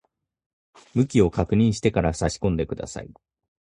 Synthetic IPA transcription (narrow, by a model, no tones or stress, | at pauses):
mɯ̟kʲio̞kakɯ̟ɲ̟ĩɰ̃ɕi̥t̪e̞kaɾasaɕi̥kõ̞nd̪e̞kɯ̟d̪a̰sa̰ḭ